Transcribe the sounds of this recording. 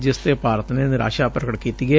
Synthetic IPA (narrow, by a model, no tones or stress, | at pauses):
d͡ʒɪst̪eːpaːɾət̪nenɾa̰ːʃaːpɾəkəʈkiːt̪iːɡe